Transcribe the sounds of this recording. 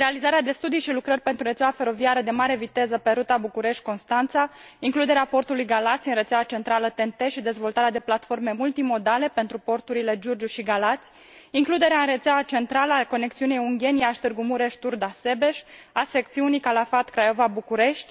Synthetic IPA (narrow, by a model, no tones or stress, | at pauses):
ɾe̞alizaɾead̪e̞st̪ud̪ijʃilukɾərʲpent̪ɾuɾesʲaafe̞ɾo̞viaɾəd̪e̞maɾe̞vit̪e̞zəpe̞ɾut̪abukuɾe̞ʃt̪̚ʲko̞nst̪ant̪sa | iŋklud̪e̞ɾeapo̞rt̪ulujɡalat̪sʲɨnret̪sʲaat͡ʃe̞nt̪ɾalət̪ent̪e̞ʃid̪e̞zvo̞lt̪aɾead̪e̞plat̪fo̞rme̞mult̪imo̞d̪ale̞pe̞nt̪ɾupo̞rt̪uɾile̞d͡ʒurd͡ʒuʃiɡalat̪sʲ | iŋklud̪e̞ɾeaɨnre̞t̪sʲaat͡ʃe̞nt̪ɾaləako̞ne̞k̚t̪siunijejuŋɡʲe̞njaʃt̪ɨrɡumuɾe̞ʃt̪urd̪ase̞be̞ʃ | ase̞kt̪siunijkalafat̪kɾajo̞vabukuɾe̞ʃt̪ʲ